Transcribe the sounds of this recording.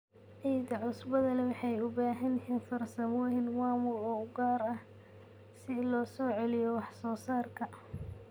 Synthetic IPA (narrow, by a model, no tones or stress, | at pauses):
ʔijd̪ɐʕʊsbɐðɐlɐwɑħɑjʊbaːɦɐnhɛnfɐrsɐmɔːɦɪnmaːmʊrɔːʊɡaːɾɐh | sɪlɔːsɔːʕɛlɪjɔwɑħsɔːsaːrkʰɐ